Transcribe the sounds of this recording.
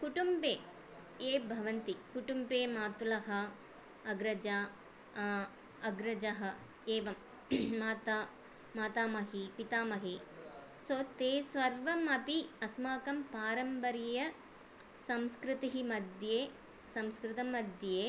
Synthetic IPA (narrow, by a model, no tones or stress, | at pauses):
kuʈumbeː | eːbʱɐʋɐnt̪ikuʈumbeːmaːt̪ulɐɦɐ | ɐɡɾɐd͡ʒaː | ɐɡɾɐd͡ʒɐɦɐ | eːʋɐmː | aːt̪aː | maːt̪aːmɐɦipit̪aːmɐɦi | soːt̪eːsʋɐɾʋɐmɐpiɐsmaːkɐmpaːɾɐmpɐɾijɐ | sɐmskɾɪt̪iɦimɐd̪jeː | sɐmskɾɪt̪ɐmɐd̪jeː